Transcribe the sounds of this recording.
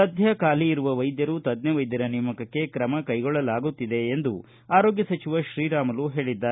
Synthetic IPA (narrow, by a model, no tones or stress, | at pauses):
ɐd̪ʱjɐkaːliːɾuʋɐʋɐjd̪jɐɾut̪ɐd̪neʋɐjd̪jɐɾɐnijmɐkɐkːe̞kɾɐmɐkɐjɡɔɭːɐlaːɡut̪ːid̪e̞ːnd̪u | aːɾoːɡjɐsɐt͡ʃiʋɐʃɾiːɾaːmɐluɦe̞ːɭid̪ːaːe